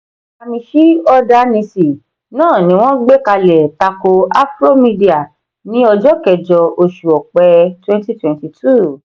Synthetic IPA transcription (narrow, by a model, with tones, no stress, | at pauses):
a˧mĩ˧ʃi˦ɔ˦da˦nĩ˧si˨ | nãː˦˨nĩ˨˦w̃ɔ̃˦ɡ͡be˦ka˧lɛ˨ta˧ko˧a˦fɾo˦mĩ˧di˦a˨ | nĩ˦ɔ˧d͡ʒɔ˦kɛ˨d͡ʒɔ˧o˧ʃu˨ɔ˨k͡pɛ˧twɛ̃˦nti˦twɛ̃˨nti˧tʰu˦˨